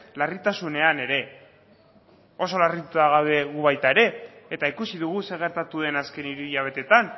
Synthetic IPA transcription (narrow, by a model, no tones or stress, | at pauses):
larit̪asune̞ane̞ɾe̞ | o̞so̞larit̪ut̪aɣaβe̞ɣuβajt̪ae̞ɾe̞ːt̪aikusiðuɣ̞use̞ɣ̞e̞ɾt̪at̪uðe̞naske̞niɾiiaβ̞e̞t̪e̞t̪an